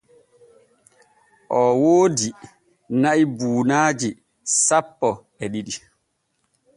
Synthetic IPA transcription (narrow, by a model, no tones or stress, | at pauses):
ʔɔwoːdi | naibuːnaːd͡ʒi | sapːɔ | ɛɗiɗi